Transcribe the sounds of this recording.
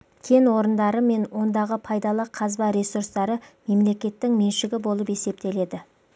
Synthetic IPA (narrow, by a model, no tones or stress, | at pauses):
kʲʰe̞nwo̞ɾənd̪ɑɾəme̞nwo̞nd̪ɑʁəpʰɑjd̪ɑlˠəqʰɑzbɑɾe̞surst̪ɑɾəme̞mle̞kʲe̞t̪ːɪŋme̞nʃɪɡʲɪbo̞lˠəpe̞se̞p̚t̪e̞le̞d̪ɪ